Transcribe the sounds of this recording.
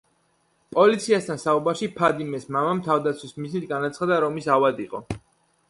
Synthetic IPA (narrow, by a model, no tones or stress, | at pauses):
pʼɔlit̪sʰiast̪ʰansaubaɾʃipʰad̪imɛsmamamt̪ʰavd̪at̪sʰwismiznit̪̚ʰɡanat̪sʰχad̪aɾɔmisavad̪iqʼɔ̰